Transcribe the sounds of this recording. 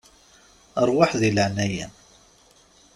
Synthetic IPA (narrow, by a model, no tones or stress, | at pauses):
əɾˤwaħðiləʕnæjæn